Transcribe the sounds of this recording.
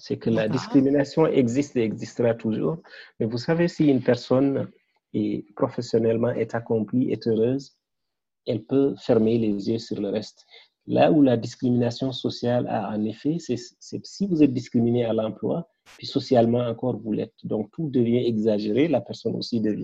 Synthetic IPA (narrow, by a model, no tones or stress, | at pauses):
sɛkəlad̪iskɾiminasjɔ̃ʔɛɡzist̪eɛɡzist̪əʁat̪uʒṵːʁmɛvusavesiynpɛʁsɔn | ɛpɾɔfesjɔnɛlmɑ̃ʔɛt̪akɔ̃pliʔɛ̰t̪øʁøːz | ɛlpøfɛʁmelezjøsyʁləʁɛst̪ | la̰ulad̪iskɾiminasjɔ̃sɔsjala̰ɑ̰̃nefɛsɛsɛsivuzɛt̪̚d̪iskɾiminealɑ̃plwa̰ | pɥisɔsjalmɑ̃ɑ̃kɔʁvulɛ̰t̪̚d̪ɔ̃k̚t̪ud̪əvjɛ̃ɛɡzaʒeʁelapɛʁsɔno̰sid̪əvjɛ̃